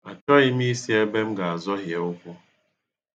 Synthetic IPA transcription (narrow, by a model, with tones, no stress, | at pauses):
a˨t͡ʃɔ˦ɣɪ˦m̩˦i˦si˦e˦be˦m̩˦ɡa˨a˨zɔ˦ɦje˨ʊ˦kʷʊ˦